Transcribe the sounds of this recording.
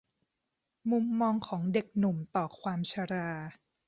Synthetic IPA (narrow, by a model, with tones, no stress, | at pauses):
mu˧mːɔː˧ŋkʰɔː˩˦ŋde˨˩k̚nu˨˩mt̪ɔː˨˩kʰwaː˧mt͡ɕʰa˧ɾaː˧